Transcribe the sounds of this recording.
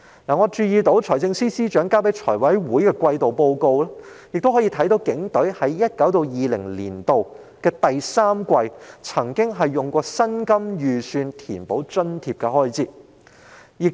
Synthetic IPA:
naː˨˩ŋɔː˨˧t͡ʃyː˧jiː˨t̪o˨˥wt͡ʃʰɔː˨˩jt͡sɪ˧ŋsiː˥siː˥t͡ʃœː˨˥ŋkaː˥wpe˨˥t͡ʃʰɔː˨˩jwɐ˨˥jwuː˨˥jkɛː˧kʷɐ˧jt̪o˨wpo˧wko˧wlaː˥jɪ˨k̚t̪o˥whɔː˨˥jiː˧t̪ʰɐ˨˥jt̪o˨˥wkɪ˨˥ŋt̪ɵ˨˥ɥhɐ˨˥jːɐ˥t̚kɐ˨˥wt̪o˧wjiː˨lɪ̰˨˩ŋlḭː˨˩nt̪o˨w | kɛː˧t̪ɐ˨jsaː˥mkʷɐ˧jt͡sʰɐ˨˩ŋkɪ˥ŋɦɐ˨jːʊ˨ŋkʷɔː˧sɐ˥nkɐ˥mjyː˨syː˧nt̪ʰḭː˨˩npo˨˥wt͡ʃɵ˥nt̪ʰiː˧p̚kɛ˧ɦɔː˥jt͡siː˧˥t̚ | jɪ˨k̚

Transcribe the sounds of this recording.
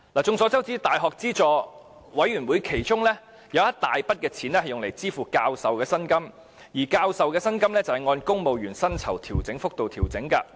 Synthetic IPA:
laː˨˩t͡sʊ˧ŋsɔː˨˥t͡sɐ˥wt͡siː˥t̪aː˨jɦɔː˨k̚t͡siː˥t͡ʃɔː˨˧ | wɐ˨˥jɥyː˨˩nwu˨˥jkʰe˨˩jt͡sʊ˥ŋlɛː˥ | jɐ˨˧wjɐ˥t̚t̪aː˨jpɐ˥t̚kɛː˧t͡sʰiː˨˥nlɛ˥ɦɐ˨jʊ˨ŋle˨˩jt͡siː˥fuː˨kaː˧wsɐ˨wkɛː˧sɐ˥nkɐ˥m | jiː˨˩kaː˧wsɐ˨wkɛː˧sɐ˥nkɐ˥mlɛː˥t͡sɐ˨˩hɐ˨jŋɔː˧nkʊ˥ŋmo˨wɥyː˨˩nsɐ˥nt͡sʰɐ˨˩wt̪ʰiː˨˩wt͡sɪ˨˥ŋfʊ˥k̚t̪o˨wt̪ʰiː˨˩wt͡sɪ˨˥ŋkɐ˧

